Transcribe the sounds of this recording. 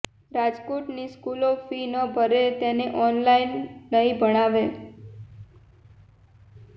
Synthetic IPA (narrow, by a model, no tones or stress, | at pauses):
ɾad͡ʒkoʈniskulofinobʱəɾet̪eneʔɔnlainːəibəɽ̃aʋe